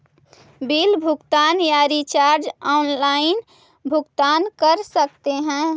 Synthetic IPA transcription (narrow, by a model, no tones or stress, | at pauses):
bilbʱʊɡt̪anjaɾit͡ʃaɾd͡ʒɔnlaɪn | bʱʊɡt̪ankəɾsəkt̪eɦɛ̃